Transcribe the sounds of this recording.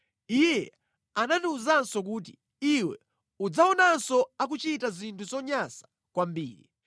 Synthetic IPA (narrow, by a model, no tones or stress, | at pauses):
ijɛ | ananiuzansɔk̬uːt̬i̥ | iwɛ̰ | ud͡zaɔnansɔak̬ut͡ʃitazintʰuzɔɲasḁ | kwambiːɾi